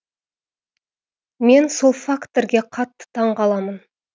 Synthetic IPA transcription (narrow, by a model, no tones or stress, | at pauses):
me̞nso̞lˠfakt̪oɾɡʲe̞qʰɑt̪ːə̥t̪ʰɑɴʁɑlˠɑmən